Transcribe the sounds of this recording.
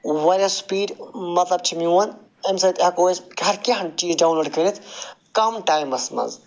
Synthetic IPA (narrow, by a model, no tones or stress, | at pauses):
wɐlʲaspiːɖmɐt̪lɐb̚t͡ʃʰimiwɐn | emsɐjt̪ɐkoːskɦɐɾkiɦɐt͡ʃiːzɖawnloːɖkɐɾit̪ʰkɐmʈaːjmɐsmɐ̰z